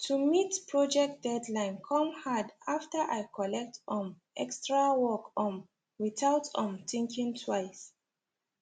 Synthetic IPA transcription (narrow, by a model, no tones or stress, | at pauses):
tʰumitpʰɹɔd͡ʒɛk̚t̚dɛdlãɪ̃nkʰɔ̃mhadaftəʔajkʰɔlɛk̚tɔ̃m | ʔɛkstɹawɔkɔ̃n | wiθaʊtɔ̃mtĩŋkʰĩŋtʰwaɪs